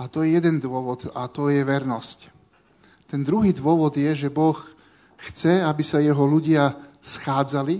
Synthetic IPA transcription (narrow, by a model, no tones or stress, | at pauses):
at̪ɔjɛjɛd̪ɛnd̪ʊɔʋɔd̪at̪ɔjɛʋɛɾnɔsc | t̪ɛnd̪ɾuɦiːd̪ʋʊɔʋɔd̪jɛʒɛbɔx | xt͡sɛabisajɛɦɔluɟɪasxaːd͡zali